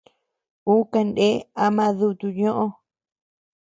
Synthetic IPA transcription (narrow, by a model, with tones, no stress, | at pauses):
u˦ka˧nde˦a˧mã˦˧ðu˧t̪u˧ɲõ˦ʔõ˦